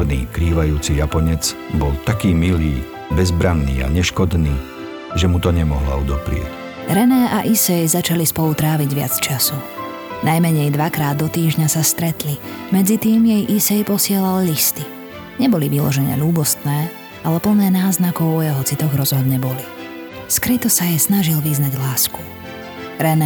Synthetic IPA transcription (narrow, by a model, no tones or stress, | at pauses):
nḭːkɾiːʋajuːt͡sijapɔɲɛd͡zbɔlt̪akiːmiliː | bɛzbɾanːḭːa̰ɲɛʃkɔd̪niː | ʒɛmut̪ɔɲɛmɔɦla̰ud̪ɔpɾɪɛ̰c | ɾɛnɛːʔaʔisɛjzat͡ʃalispɔlut̪ɾaːʋiɟʋɪa̰t͡st͡ʃasu | najmɛɲɛjd̪ʋakɾaːd̪ːɔt̪iːʒɲasast̪ɾɛt̪limɛd͡zit̪iːmjɛjʔisɛjpɔsɪɛlallist̪i | ɲɛbɔliʋilɔ̰ʒɛɲɛ̰ʎuːbɔst̪nɛː | alɛpl̩nɛːnaːznakɔʊɔjɛɦɔt͡sit̪ɔɣɾɔzɦɔd̪ɲɛbɔli | skɾit̪ɔsajɛsnaʒilʋiznaɟlaːsku̥ | ɾɛnɛ